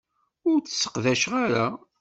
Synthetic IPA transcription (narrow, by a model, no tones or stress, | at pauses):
ʊɾt͡sə̥sːə̥qðæʃʁaɾa